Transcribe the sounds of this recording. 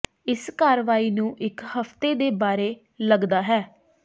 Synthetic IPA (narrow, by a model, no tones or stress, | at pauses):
ɪskaːɾʋaːiːnũːʔɪkhəpt̪eːd̪eːbaːɾeː | ləɡd̪aːɦɛː